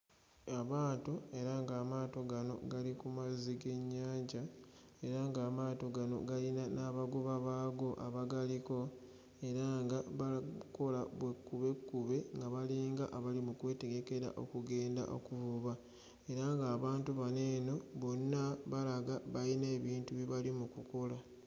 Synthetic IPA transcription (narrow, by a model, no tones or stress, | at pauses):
aβaːtoe̞ɾaŋɡaːmaːto̞ɡano̞̰ɡalikumaziɡe̞ɲːaːɲɟa | e̞ɾaŋɡaːmaːto̞ɡano̞̰ɡalinanaːβaɡuβaβaːɡo̞ʔa̰βaɡaliko̞ | e̞ɾaŋɡaβako̞laβwekːuβe̞kːuβe̞ŋɡaβaliːŋɡaʔaβalimukwe̞ːte̞ɡe̞ke̞ɾa̰ʔo̞̰kuɡe̞ːnda̰ʔo̞̰kuvuβa | e̞ɾaŋɡaːβaːntuβane̞ːno̞βo̞nːaβalaɡaβaline̞ːβiːntuβiβalimukuko̞la